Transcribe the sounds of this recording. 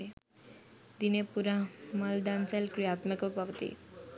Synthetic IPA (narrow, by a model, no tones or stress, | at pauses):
d̪inepuɾaməld̪ant͡salkɾijat̪məkpaʋət̪ḭ